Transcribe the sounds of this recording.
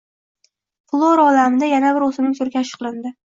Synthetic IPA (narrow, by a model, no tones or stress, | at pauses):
flˠoɾɒlamɪd̪ajanabɪɾosɪmnɪŋsʰʊɾɡʲaːʃɨ̥qlˠɪnd̪ɪ